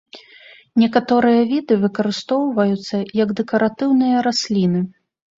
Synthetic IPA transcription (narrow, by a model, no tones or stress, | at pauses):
nʲɛkat̪ɔɾɨjɐvʲid̪ɨvɨkɐɾɨst̪ɔwvɐjut̪sːɐjɐɡd̪ɛkɐɾat̪ɨwnɨjɐɾasʲlʲinɨ